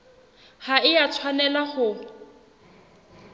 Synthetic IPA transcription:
haɪjat͡sʰwanɛlaχʊ

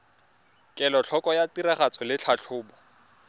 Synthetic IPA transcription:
kʼɛlɔt͡ɬʰɔkʼɔjatiɾaχat͡sʼɔlɪt͡ɬʰaɬʰʊːbɔ

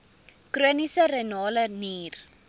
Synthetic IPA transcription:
kruənisəɾənɑːləniːr

